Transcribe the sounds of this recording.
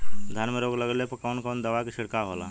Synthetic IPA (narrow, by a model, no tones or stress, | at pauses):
d̪ʱanmeɾoːɡləɡəlepɐkaʊnkaːnd̪əʋakiʃɪɽkaɦoːla̰ː